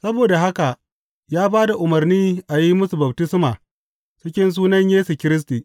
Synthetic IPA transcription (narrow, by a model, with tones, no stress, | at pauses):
sɐ˦boː˨da˨ɦa˦ka˨ | jaː˦baː˦da˨ʔʊ˨mɐ˨rniː˦ʔa˨ji˦mʊ˦su˨bɐ˨b̚tɪ˦smaː˨ | t͡ʃɪ˦kʲɪ˦ns̬uː˦nɐ˦ɲjeː˦su˨kʲɪ˦ɾɪ˦s̬tiː˨